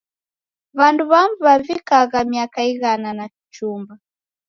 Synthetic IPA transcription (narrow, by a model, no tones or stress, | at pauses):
βanduβambuβavikaɣamiakaiɣananaki̥t͡ʃumba